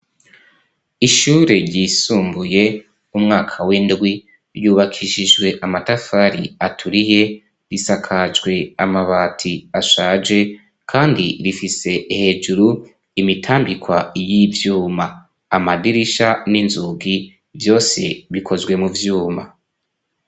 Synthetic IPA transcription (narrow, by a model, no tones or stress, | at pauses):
iʃuːɾeɾɟiːsuːmbuje̞ | umŋaːkʰawindɡwi | ɾjuːβakʰiʃid͡ʒɡwe̞ʔamatafaɾḭatʰuɾije̞ | ɾisakʰad͡ʒɡwe̞amaβaːtʰiaʃaːd͡ʒe̞ | kʰaːndiɾifise̞he̞ːd͡ʒuɾu | imitʰaːmbikwajivjuːma | amadiɾiʃaninzuɡi | vjo̞ːse̞̰βikʰo̞zɡwe̞muvjuːma